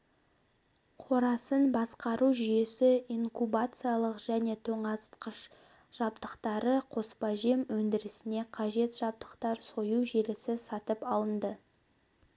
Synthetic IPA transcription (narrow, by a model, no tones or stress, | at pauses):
qʰo̞ɾɑsənbɑsqɑɾuʒʏje̞sɪiŋkubat̪sɨjalˠəqʒ̥æne̞t̪ʰoɴɑst̪qəʃ | ʒ̥ɑbd̪əqt̪ɑɾəqʰo̞spɑʒemwɵnd̪ɪɾɪsɪne̞qʰɑʒe̞t̪ʒ̥ɑb̚d̪əqt̪ɑɾso̞juʒelɪsɪsɑt̪əpɑlˠənd̪ə